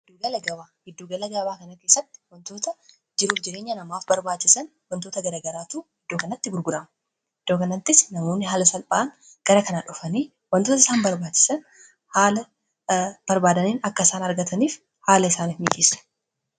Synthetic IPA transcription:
hɪd̪ːuːɡɐlɐɡɐbaːhɪd̪ːuːɡɐlɐɡɐbaːkɐnɐke̞ːsːɐt̪ːɪ̥wɐnt̪o̞ːt̪ɐ | d͡ʒɪɾuːfd͡ʒɪɾeːɲːɐnɐmaːfbɐɾbaːt͡ʃːɪsɐn | wɐnt̪o̞ːt̪ɐɡɐɾaːɡɐɾaːt̪uːhɪd̪ːo̞ːkɐnɐt̪ːɪɡʊɾɡʊɾɐmɐ | ɪd̪̥ːoːkɐnɐt̪ːɪsnɐmo̞ːnːɪɦaːlɐsɐlpʼaːn | ɡ̥ɐɾɐkɐnaːᶑʊfɐniː | wɐnt̪oːt̪ɐɪ̥saːnbɐɾbaːt͡ʃːɪ̥sɐn | haːlɐ | b̥ɐɾbaːd̪ɐniːnɐkːɐɪsaːnɐɾɡɐt̪ʰɐniːf | haːlɐɪsaːnifmiːkʼeːsːɐ̥

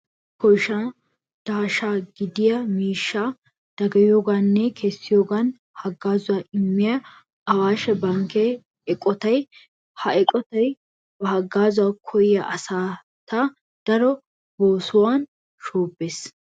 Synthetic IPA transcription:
kɔjʃa | d̪̥aːʃaːɡɪd̪ɪjɐmiːʃːa | d̪̥ɐɡɐjoːɡanːɛkʰɛsːɪjoːɡɐn | hɐɡːaːzʊwaːɪmːɪjɐ | ɐwaːʃɛbɐŋkɛ | ɛkʼːɔt̪ɐj | hɐɛkʼɔt̪ɐj | bɐhɐɡːaːzʊwaːkʰɔjɪjɐʔɐsaː | t̪ɐ | d̪̥ɐɾɔ | boːsʊwan | ʃoːbːeːs

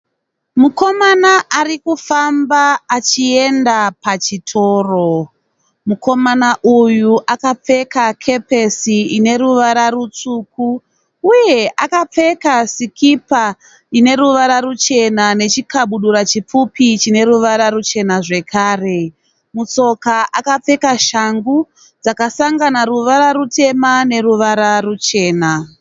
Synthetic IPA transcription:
muko̞manaʔarikufambaːt͡ʃie̞ndapat͡ʃitʰo̞ːro | muko̞manaʔujuʔakap͡fe̞kakʰe̞pe̞siine̞ɾuʋaɾarut͡suk̚u | uje̞ʔakap͡fe̞kasikipa | ine̞ɾuʋaɾarut͡ʃe̞nane̞t͡ʃikaɓuɗuɾat͡ʃip͡fupit͡ʃine̞ɾuʋaɾaɾut͡ʃe̞naʐe̞kʰaːre̞ | mut͡so̞kaʔakap͡fe̞kaʃaŋɡu | d͡zakasaŋɡanaɾuʋaɾaɾute̞mane̞ruʋaɾarut͡ʃe̞ːna

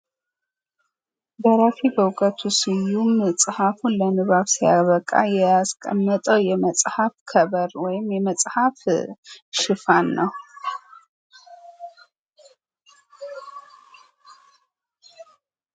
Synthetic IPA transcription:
d̪ɐɾafibɐwkʼət̪ʰusɨjumɨt͡sʼħafunlɐnɨβaβsijaβɐkʼa̰jɛaskʼɐmːɐt̪ʼɐwjɛmɐt͡sʼħafkʰɐβɐɾwɔjɪmjɛmɐt͡sʼħaf | ʃɨfanːɐw

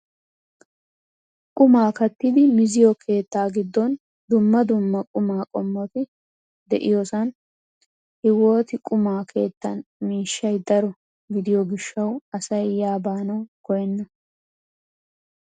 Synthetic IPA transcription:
kʼʊmaːkɐt̪ːɪd̪ɪmɪzɪjɔkʰe̞ːt̪ːaːɡɪd̪ːɔn | d̪ʊmːɐd̪ʊmːɐkʼʊmaːkʼɔmːɔt̪ɪ | d̪ɛʔɪjosɐn | hɪwo̞ːt̪ɪkʼʊmaːkʰe̞ːt̪ːɐnmiːʃːɐjd̪ɐɾɔ | ɡɪd̪ɪjɔɡɪʃːɐwɐsɐjjaːbaːnɐwkɔjɛnːɐ

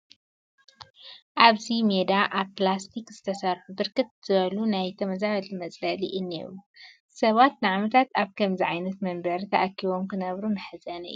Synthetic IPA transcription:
ʔaβzimed̪aʔaβplast̪ʰikz̥ɨt̪ʰɐsɐɾħubɨɾkɨt̪̚z̥ɨβɐlunajt̪ʰɐmɐzaɐlmɐt͡sʼlɐliʔɨnːḛɾu | sɐβat̪nɨʕamɐt̪ʰat̪aβkʰɐmziʕajnɐt̪mɐmbɐɾt̪ʰɐʔakːiβo̞mkʰɨnɐβɾunɨħɨzɐnɐ̰ɨju

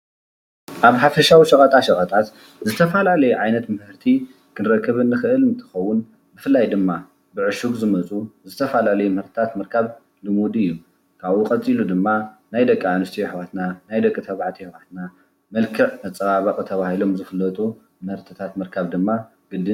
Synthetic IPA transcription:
ʔaβħafɐʃawiʃɐkʼɐt̪ʼaʃɐχʼɐt̪ʼat̪ | zɨt̪ʰɐfalalɐjuʕajnɐt̪mɨhɨɾt̪ʰi | kʰɨnɾɐkʰːɨβɨnːɨxɨʔɨlɨnt̪ʰɨ̥xɐwːʊn | bɨfɨlːajd̪ɨmːa | bɨʕɨʃuɡzɨmɐt͡sʼuzɨt̪ʰɐfalalɐjumɨhɨɾt̪ʰɨ̥t̪ʰat̪mɨɾkʰaβ | lɨmud̪ɨjːu | kʰaβuqʼɐt͡sʼilud̪ɨmːanajd̪ɐkʼːʕanɨst̪ʰijħwat̪nanajd̪ɐkʼːɨt̪ʰɐβʕat̪ʰihwat̪na | mɐlkʰɨʕɐt͡sʼɐβaβakʼɨt̪ʰɐβahilomzɨfɨlːɐt̪ʼu | mɨhɨɾt̪ʰɨt̪ʰat̪mɨɾkʰaβd̪ɨmːa | ɡ̥ɨd̪ɨ

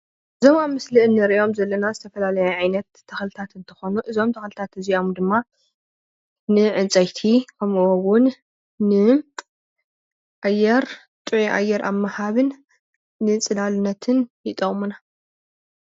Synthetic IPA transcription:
ʔɨzo̞mamːɨslɨʔɨnːɐɾiʔo̞mzɐlːɐnazɨt̪ʰɐfɐlalɐjaʕajnɐt̪ʰːɐxlɨt̪ʰat̪ɨnt̪ʰɨ̥xo̞nuʔɨzo̞mt̪ʰɐxlɨt̪ʰat̪ɨziomd̪ɨmːa | nɨʕɨnt͡sʼɐjt̪ʰikʰɐmuwowʊnː | ɨ | ʔajːɛɾ | t̪ʼɨʕiʔa̰jːɛɾʔa̰mːahaβɨnː | ɨt͡sʼɨlalɨnːɐt̪ʰɨnjɪt̪ʼɐχʼmuna

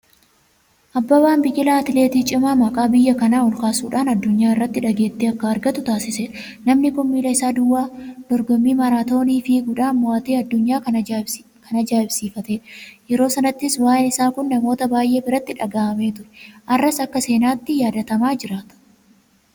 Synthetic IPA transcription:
ʔɐbːɐbaːnbɪjːɪlaːt̪ɪle̞ːt̪iːt͡ʃʼɪmaːmɐkʼaːbɪjːɐkɐnaːʊlkaːsuːᶑaːnɐd̪ːʊɲːaːɪrːɐt̪ːɪᶑɐɡe̞ːt̪ːeːɐkːɐɐɾɡɐt̪ʊt̪aːsɪseːᶑɐ | nɐmnɪkʊmːiːlɐɪsaːd̪ʊwːaːd̪̥ɔɾɡɔmːiːmɐɾaːt̪o̞ːniːfɪɡʊᶑaːnmʊaːt̪eːɐd̪ːʊɲːaː | kʰɐnɐd͡ʒaːɪbsiːfɐt̪eːᶑɐ̥jɛɾo̞ːsɐnɐt̪ːɪswaːjɛnɪsaːkʊnːɐmo̞ːt̪ɐbaːjʔe̞ːbɪɾɐt̪ːɪᶑɐɡaːʔɐme̞ːt̪ʊɾɛ̥ʔɐrːɐsɐkːɐse̞ːnaːt̪ːɪjaːd̪ɐt̪ɐmaːd͡ʒɪɾaːt̪ɐ̥

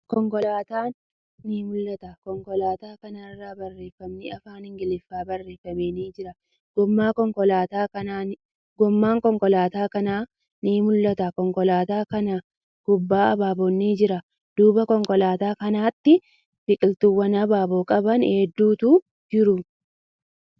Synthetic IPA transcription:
kɔŋkɔlaːt̪aːnː | iːmʊlːɐt̪ɐkɔŋkɔlaːt̪aːkɐnaɪrːaːbɐrːe̞ːfːɐmnɪɐfaːnhɪŋɡɪlɪfːaːbɐrːe̞ːfːɐmeːniːd͡ʒɪɾɐ | ɡɔmːaːkɔŋkɔlaːt̪aːkɐnaː | ɡɔmːaːŋkɔŋkɔlaːt̪aːkɐnaː | niːmʊlːɐt̪ɐkɔŋkɔlaːt̪aːkɐnɐ | ɡ̥ʊbːaːɐbaːbɔnːiːd͡ʒɪɾɐ | d̪̥uːbɐkɔŋkɔlaːt̪aːkɐnaːt̪ːɪ | b̥ɪkʼɪlt̪ʊwːɐnɐbaːboːkʼɐbɐnheːd̪ːuːt̪uː | d͡ʒɪɾʊ

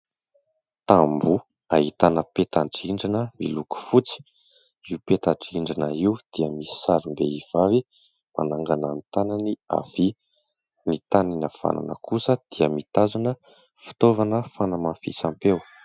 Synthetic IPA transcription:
t̪ambu | aɦit̪anəpet̪aɳʈ͡ʂiɳɖ͡ʐinəmiluku̥fut͡si̥ | iwpet̪aʈ͡ʂiɳɖ͡ʐinəiwd̪̥iəmisi̥saɾimbeiv̥avi | ma̰naŋɡanant̪anania̰v̥i | nit̪aninafa̰na̰nə̰kʰusəd̪̥iəmit̪azanə | fi̥t̪ovanəfanəmanfit͡sampew

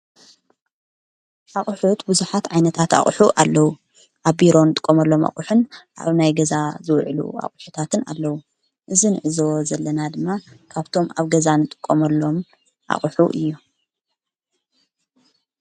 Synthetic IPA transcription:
ʔaχʼħut̪buzuħat̪ʕajnɐt̪ʰat̪a̰χʼħuʔalːɐwu | ʔaβbiɾo̞nɨt̪ʼɨ̥kʼːomɐlːo̞ma̰χʼuħunʔa̰βnajɡɐzazɨwʕlṵa̰χʼħut̪ʰat̪ʰɨna̰lːɐwu | ʔɨzinɨʕɨzowzɐlːɐnad̪ɨmːakʰaβt̪ʰo̞maβɡɐzanɨt̪ʼɨ̥kʼːomɐlːo̞m | ʔa̰χʼħṵʔɨ̰jːu

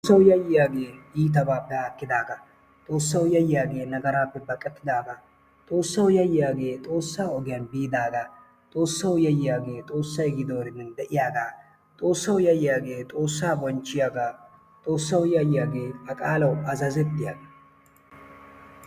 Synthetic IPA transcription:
ɐwjɐjːɪjaːɡe̞ːiːt̪̬ɐbaːpːɛakːɪd̪aːɡɐ | t̪ʼo̞ːsːɐwjɐjɪjaːɡe̞ːnɐɡɐɾaːpːɛbɐkʼːɛt̪ːɪd̪aːɡa | t̪ʼo̞ːsːɐwjɐjɪjaːɡe̞ːt̪ʼo̞ːsːaːɔɡɪjɐnbiːd̪aːɡa | t̪ʼo̞ːsːɐwjɐjɪjaːɡe̞ːt̪ʼo̞ːsːɐjɡɪd̪owɾɪnːɪnd̪ɛʔɪjaːɡaː | t̪ʼo̞ːsːɐwjɐjɪjaːɡe̞ːt̪ʼo̞ːsːaːbɔnt͡ʃːɪjaːɡaː | t̪ʼo̞ːsːɐwjɐjɪjaːɡe̞ːɐkʼaːlɐwɐzɐzɛt̪ːɪjaːɡɐ

